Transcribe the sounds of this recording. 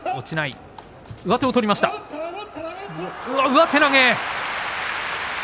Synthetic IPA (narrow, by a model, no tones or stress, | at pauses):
o̞t͡ɕinai | ɯ̟βat̪e̞ot̪o̞ɾʲimaɕi̥t̪a | ɯ̟aɯ̟βat̪e̞naŋe